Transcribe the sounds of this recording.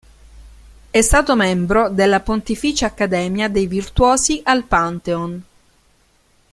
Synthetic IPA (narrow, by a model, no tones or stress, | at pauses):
ɛst̪aːt̪omɛmbɾod̪elːapont̪ifiːt͡ʃeakːad̪ɛːmjad̪ejvirt̪wɔːsiʔalpant̪eon